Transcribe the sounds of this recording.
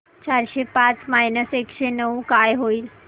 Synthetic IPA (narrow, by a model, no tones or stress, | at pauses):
t͡ɕaɾɕepãt͡smajnəsekʃenəukajɦoiːl